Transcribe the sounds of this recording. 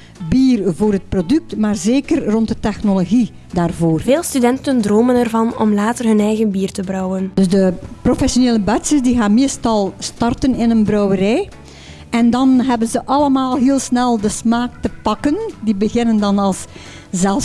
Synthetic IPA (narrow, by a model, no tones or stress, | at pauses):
biːrvoːrɦət̚prodʏk̚tmaːrzeːkərrɔntdətɛxnoloɣi | daːrvoːrveːlˠstydɛntəndroːmənɛrvɑnɔ̰mlaːtərɦɵnɛjɣənbiːrtəbrɔwənd̥ɵzdəprofɛsjoneːləbœtsəsdiɣaːnmeːstɑlˠstɑrtənɪnənbrœwəɾɛj | ɛndɑnɦɛbənzəʔɑləmaːlˠɦeːlˠsnɛlˠdəsmaːk̚təpɑkəndibəɣɪnəndɑnɑlˠs | zɛlˠ